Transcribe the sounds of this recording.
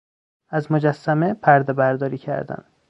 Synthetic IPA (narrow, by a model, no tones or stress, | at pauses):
æzmod͡ʒæsːæmepʰæɾd̪ebæɾd̪ɒːɾiːcʰæ̰ɾd̪æ̰n